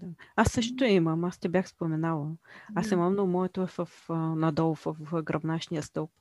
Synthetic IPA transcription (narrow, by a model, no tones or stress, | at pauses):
d̪aasːɤʃt̪ot̪oɛiməmast̪ʲɛbʲjaxspomɛnalˠəasiməmnomɔɛt̪oɛvəfnɐd̪ɔlˠʊfəfɡɾɐbnaʃnijəst̪ɔlp̚